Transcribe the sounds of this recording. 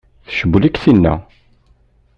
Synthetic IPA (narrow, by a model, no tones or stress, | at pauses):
θʃəbːlikθinːæ̰